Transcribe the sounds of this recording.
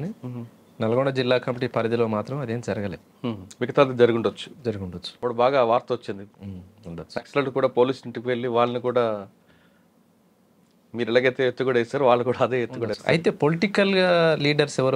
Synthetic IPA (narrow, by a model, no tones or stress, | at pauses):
ni | nɛlɐɡoɳɖɐd͡ʒilːaːkɐmiʈipɐɾɐd̪ilo̞ːmaːt̪ɾɐmɐd̪eːmd͡ʒɐɾɐɡɐlḛːd̪uʋiɡɐt̪aːd̪eːd͡ʒɐɾuɡuɳɖot͡ʃːu̥d͡ʒɐɾuɡuɳɖot͡ʃːu̥ɐpːuɽubaːɡaːʋaːɾt̪ɐɐt͡ʃːind̪iund̪ot͡ʃːɐkslɐʈukuːɽaːpo̞ːliːsniɳʈikiʋe̞ɭːiʋaːɭːɐnikuːɽaː | miːɾɐlaːɡɐjt̪eːet̪ːuɡuɽɐjsaːɾuʋaːɭːɐkuːɽaːɐd̪eːet̪ːuɡuɽɐɐ̰jt̪e̞ːpo̞liʈikɐlɡaːliːɖɐɾsɛʋɐɾ